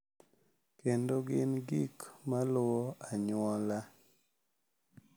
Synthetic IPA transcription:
kendoɡɪnɡikmalwɔaɲʊɔla

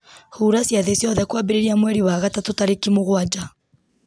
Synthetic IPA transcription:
huɾasjaðesjɔðɛkwabeɾeɾiamwɛɾiwaɣatatotaɾekimoɣwad͡ʒa

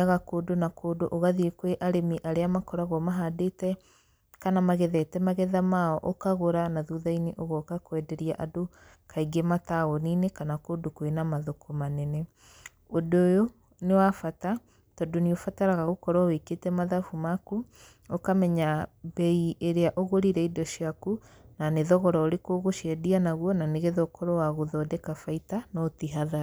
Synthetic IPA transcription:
aɣakoːdonakoːdoʔoɣaðiekweʔaɾemiʔaɾeamakɔɾaɣɔmaɦadetɛ | kanamaɣɛðɛtɛmaɣɛðamaɔʔokaɣoɾanaðuːðaineʔoɣɔkakwɛdɛɾiaʔado | kʰaiɡemataɣoninekanakodokwenamaðokomanɛnɛ | odojo | newafata | tɔdoniofataɾaɣaɣokɔɾɔweketɛmaðafumaku | okamɛɲabɛiʔeɾeaʔoɣoɾiɾɛidɔʃiaku | naneðɔɣɔɾɔoɾekoɣoʃɛdianaɣwɔnaneɣɛðɔkɔɾɔwaɣoðɔdɛkafaitanɔtiɦaða

